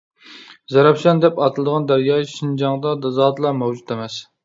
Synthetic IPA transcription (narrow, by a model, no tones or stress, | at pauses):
zɛɾɑpʃɛnd̪ɛpɑt̪ʰɨlˠɨd̪əʁɑnd̪æɾjɑːʃind͡ʒɑŋd̪ɑd̪ɑzɑːd̪lˠɑmɛwd͡ʒut̪emɛs